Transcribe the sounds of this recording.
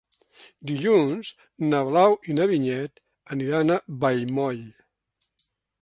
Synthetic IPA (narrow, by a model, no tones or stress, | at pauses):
d̪iʎunz | nəβlawinəβiɲɛt̪ | əniɾanəβəjmɔʎ